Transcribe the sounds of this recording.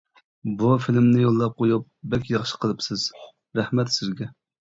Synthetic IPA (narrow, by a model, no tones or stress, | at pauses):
bufilɪmnɪjolˠːɑp̚qʰojup̚bɛkʲjɑχʃə̥qʰəlˠɨpsɨz̥ | ɾæhmɛt̪sɪzɡʲɛ